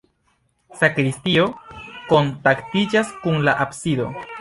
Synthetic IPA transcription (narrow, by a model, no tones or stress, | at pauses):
sakɾistio̞ko̞ntaktid͡ʒaskunlaʔapsido̞